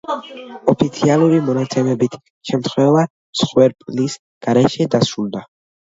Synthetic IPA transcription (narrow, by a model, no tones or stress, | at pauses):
ɔpʰit̪sʰialˠuɾimɔnat̪sʰɛmɛbit̪ʰ | ʃɛmt̪ʰχwɛva | msχwɛɾpʼlis | ɡ̥aɾɛʃɛd̪asɾulˠd̪a